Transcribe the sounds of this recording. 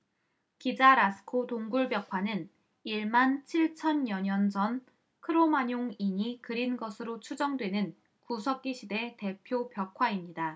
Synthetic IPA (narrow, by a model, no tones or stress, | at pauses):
kid͡ʑaɾasʰɯ̥kʰotoŋɡuɭbjʌkʰwanɯn | iɭmant͡ɕʰiɭt͡ɕʰʌnjʌɲʌnd͡ʑʌn | kʰɯɾomaɲoŋiɲikɯɾinɡʌsʰɯɾot͡ɕʰud͡ʑʌŋdwe̞nɯn | kusʰʌk̚k͈iɕʰide̞te̞pʰjopjʌkʰwaimɲida